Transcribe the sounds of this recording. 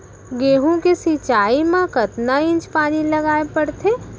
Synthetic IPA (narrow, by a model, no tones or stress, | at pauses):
ɡeːɦõkesit͡ʃaːimãkɐt̪naɪ̃nt͡ʃpaːnilɐɡaːepɐɽt̪ʰeː